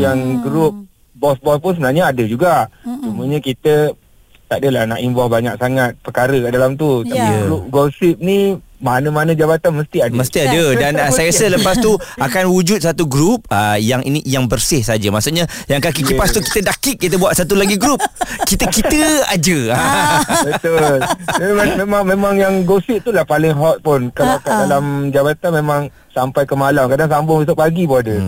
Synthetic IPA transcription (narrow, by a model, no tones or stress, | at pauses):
jaŋɡɾup̚ | bɔsbɔspʊnsəbənarɲəadəd͡ʒuɡat͡ʃumuəɲəkit̪ə | t̪adəlahna̰ʔimbɔhbaɲak̚saŋat̪̚pərkaɾəkaʔdalamt̪̬ut̪apiɡɾup̚ɡɔlsip̚nimanəmanə̃d͡ʒabat̪anməst̪iadməst̪iadədansajəɾasələpast̪uakanwud͡ʒut̪̚sat̪uɡɾup̚əjaŋʔḭnijaŋbərsɪhsad͡ʒəmaʔsuʔɲa | jaŋkakikipast̪uki̥t̪ədakiʔ̚kːit̪əbuat̪̚sat̪̬ulaɡiɡɾup̚kit̪əkit̪əa̰d͡ʒəabət̪ʊl | mẽmãŋmẽmãŋjaŋɡosɪʔt̪ulahpalɪŋɦɔt̪̚pʊnkəakadalamd͡ʒabat̪anmẽmãŋ | sampajkəmalamkadaŋsambʊŋisoʔ̚paɡibɔadə